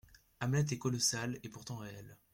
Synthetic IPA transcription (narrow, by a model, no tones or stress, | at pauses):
amlɛt̪̬ɛkɔlɔsalepuʁt̪ɑ̃ʁeɛl